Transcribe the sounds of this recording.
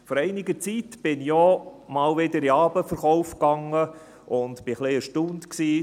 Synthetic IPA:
fɔɾɛɪnɪɡət͡sit̪b̥ɪnjɔmɑlʋɪd̪əɾiɑːbəfəɾχɔʊfkɑŋə | ʔʊnd̪b̥ɪχliəʃtund̪ksiː

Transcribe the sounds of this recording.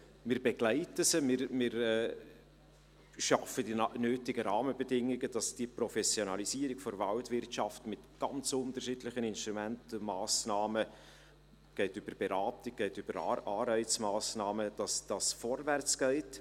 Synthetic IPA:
mɪːɾbɛɡ̥læɪtəsəmɪɾmɪɾɛː | ʃɑfədinøːtɪɡəɾɑːməbɛdɪŋːɪɡəd̥ɑsd̥iprɔfɛsjonɑlisiəɾɪɡfɔɾvɑltvɪrtt͡ʃɑftmɪtɡ̥ɑnt͡sʊntərʃiːdlɪχənɪnʃtɾumɛntmaːsnɑːmə | ɡ̥ɛɪtʏb̥əɾb̥ɛɾɑːtɪk̚ɡ̥ɛɪtyb̥əɾɑːɾbɛɪt͡smɑːsnɑːməd̥ɑsd̥ɑsfɔrvært͡sɡ̥ɛɪt

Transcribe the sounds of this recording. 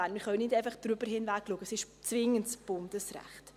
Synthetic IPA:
anmɪχœʊnɪdeɪfɑχd̥ɾybəɾhɪnvækluəɡ̥əsɪʃ | t͡svɪŋəntsb̥ʊndəsrɛ̰χt

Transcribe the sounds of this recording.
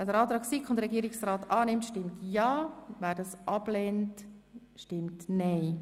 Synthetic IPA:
ɛdəɾɑːt̪ɾɑːksikχʊndəɾɛɡiəɾɪksraːtɑːnɪmtʃtɪmtjɑːvæːɾdɑsʔɑb̥leːntʃtɪmtneɪ

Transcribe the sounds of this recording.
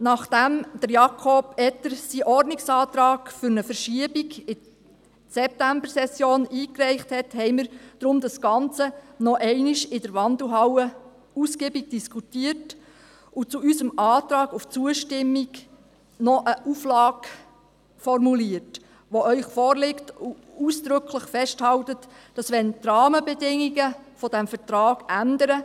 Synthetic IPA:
nɑχd̥æmd̥əɾjɑkʰɔbɛt̪əɾsiʔɔrdnɪksɑːt̪ɾɑːɡfʏɾnəfəɾʃiəbiɡɪ | sɛp̚tæmbəɾsɛsjoːniːkrɛɪχthɛthɛɪmiɾd̥ɾʊmd̪ɑsɡ̥ɑnt͡sənɔʔɛɪnɪʃɪd̥əɾʋɑnd̪l̩ɦɑwə | uskebiɡ̚d̥iskʰutiət | ut͡suysəmʔɑːtɾɑːɡuft͡suəʃtɪmːiɡ | nɔʔəʔuflɑːɡ | fɔrmuliət | ʋoœʏχfɔːrlɪktu | uːsd̪̥ɾʏkʰləχfɛʃthɑwtət | d̥ɑsʋɛntrɑːməbɛdɪŋːiɡəfɔd̥æmfəɾtrɑːɡ̥ændəɾə

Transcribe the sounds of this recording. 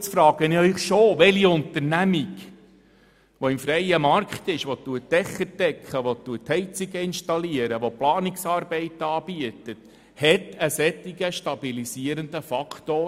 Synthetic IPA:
t͡sfɾɑːɡ̥ənɪœʏχʃoːʋɛliʊnt̪əɾnæmiɡ | ʋoɪmfɾɛjəmɑɾkχt̪ɪʃʋot̪ːuətːɛχːəɾdɛkʰχəʋot̪ːuəthɛɪt͡siɡəɪnʃtɑliəɾəʋoplɑːniksɑːɾbɛɪtɑːb̥iət̪ət | hɛtəsɛtːiɡəʃtɑb̥ilisiəɾənd̪əfɑkt̪oː

